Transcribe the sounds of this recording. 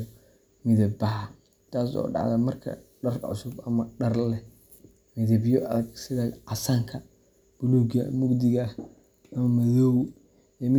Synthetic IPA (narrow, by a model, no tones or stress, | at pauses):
mɪðɐbbɐɦɐ | t̪ʰaːsɔ̰ːɖɑ̰ʕðɐmɐrkʰɐ̰ɖɐrʕʊ̰sʊbɐmɐɖɐrlɛ | mɪðɐbjɔʔɐðɐɡsɪðɐʕɑsaːŋkʰɐ | b̥ʊluːɡɐ̰mʊɡd̪ɪɣɐ | ʔɐmɐmɐðɔw | ɛmɪ